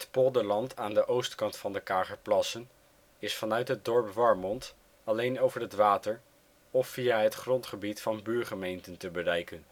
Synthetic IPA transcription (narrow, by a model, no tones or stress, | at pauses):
ɦətpodəlɑntʰaːndəʔowstkɑntfɑndəkaːχəɹplɑsən | ɪsfɑnœɥtɦəd̚dɔɹpʋɑɹmɔnt | ɑlejnowvəɹɦətʋaːtəɹ | ɔfːijaːɦətχrɔntχəbitfɑnbyːɹχəmejntəntəbərɛjkən